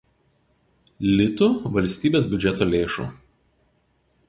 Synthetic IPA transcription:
lʲɪt̪ʊʋɐlʲsʲt̪ʲiːbʲeːsbʲʊd͡ʒʲɛt̪oːlʲeːʃṵːˑ

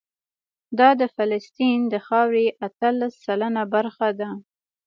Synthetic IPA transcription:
d̪ɑd̪əfalast̪ind̪əxɑwɾeʔat̪əlasːalanabaɾxad̪a

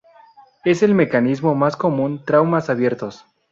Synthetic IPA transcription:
e̞se̞lme̞kanizmo̞masko̞mũnt̪ɾawmasaβje̞ɾt̪o̞s

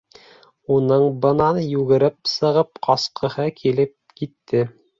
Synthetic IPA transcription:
unɤɴbɤ̆nɑnjʉɡɘ̆ɾɘpsɤ̆ʁɤp̚qɑsqʰɤ̆hɤkʰilɘp̚kit̪ʰːɘ

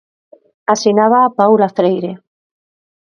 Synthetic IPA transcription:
asinaβaːpawlafɾejɾe

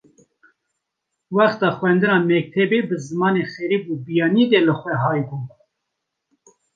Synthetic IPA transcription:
wɑχt̪ɑːxwɛnd̪ɨnɑːmɛk̚t̪ʰɛbeːbɨzɨmɑːnexɛɾiːbubijɑːnid̪ɛlɨxʷɛɦɑːjbuː

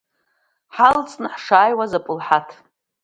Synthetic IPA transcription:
ħalt͡sʼnɨħʂaːjwazapʼɨlħatʰ

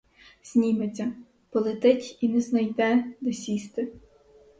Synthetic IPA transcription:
z̥ʲnʲimet͡sʲːɐ | pɔlˠet̪ɪtʲinɛznɐjd̪ɛd̪ɔsʲist̪ɪ

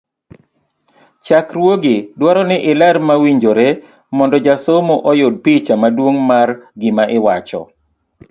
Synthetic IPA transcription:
t͡ʃakɾwoɡɪdwaɾɔnɪʔɪlɛɾmawiɲd͡ʒoɾe | mɔndɔd͡ʒasomoʔɔjod̚pit͡ʃamadwoŋmarɡɪmaʔɪwat͡ʃɔ̰

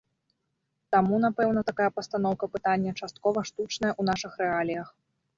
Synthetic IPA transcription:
t̪amunapɛwnɐt̪akajɐpɐst̪an̪ɔwkɐpɨt̪anʲːɐt͡ʂast̪̚kɔvɐʂt̪ut͡ʂnɐjɐʔun̪aʂɨxɾɛalʲijɐx

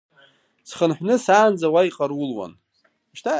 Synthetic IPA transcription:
sχənħʷnɨsaːnd͡zawajiqʼarwʊlwa̰n | ʃtʰa

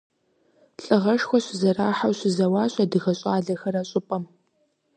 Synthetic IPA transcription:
ɬʼɨʁɐʂxʷɔɕʷɪzɐraːħawɕʷɪzɐwaːɕʼɐdɨɣɐɕʼaːɮɐxɐɾɐɕʼʊpʼɐm

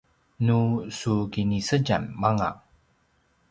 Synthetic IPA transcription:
nusuɡinisəɟa̰nmaŋa̰

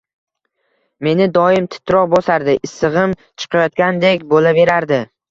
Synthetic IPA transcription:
me̞nɪd̪ɒɪmt̪ʰɪ̥t̪ʰːɾɒq̚bosaɾd̪ɪʔɪsːɨʁɨm | t͡ʃʰɨ̥qʰɑjɒt̪̚kʲand̪e̞kʲbolave̞ɾaɾd̪ɪ

